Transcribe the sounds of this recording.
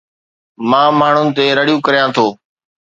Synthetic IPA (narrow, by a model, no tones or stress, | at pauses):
mãːmaːɳ̤ʊnt̪eːɾəɽijũːkəɾjãːt̪ʰoː